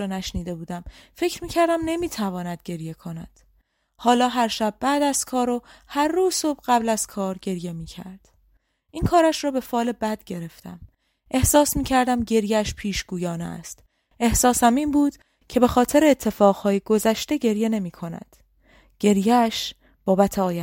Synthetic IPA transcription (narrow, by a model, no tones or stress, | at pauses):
ɒːnæʃniːd̪e̞buːd̪æmfe̞cʰɾmiːcʰæɾd̪æmne̞miːt̪ʰævɒːnæd̪̥̚ɟe̞ɾje̞kʰo̞næd̪̥ | hɒːlɒːɦæɾʃæb̚ːæːd̪æzkʰɒːɾohæɾːuːzsobɢæblæz̥kʰɒːɾɟe̞ɾje̞miːcʰæ̰ɾd̪̥ | ʔiːnkʰɒːɾæʃɾɒːbe̞fɒːle̞bæd̪̥ɟe̞ɾe̞ft̪æ̰m | ʔe̞hsɒːsmiːcʰæɾd̪æmɟe̞ɾjeæʃpʰiːʃɡuːjɒːneæ̰st̪ | ʔe̞hsɒːsæminbuːd̪̥ | cʰe̞be̞xɒːt̪ʰe̞ɾeːt̪ʰːe̞fɒːʁhɒːjeɡo̞zæʃt̪eɟe̞ɾje̞ne̞miːkʰo̞næ̰d̪̥ | ɟ̥e̞ɾjeæʃ | b̥ɒːbæt̪ʰeɒːjæ